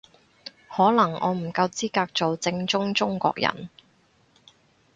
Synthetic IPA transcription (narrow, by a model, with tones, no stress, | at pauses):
hɔː˨˥lɐ˨˩ŋʔɔ̰ː˨˧m̩˨˩kɐ˧wt͡siː˥kaː˧k̚t͡so˨wt͡sɪ˧ŋt͡sʊ˥ŋt͡sʊ˥ŋkʷɔ̰ː˧k̚jɐ̰˨˩n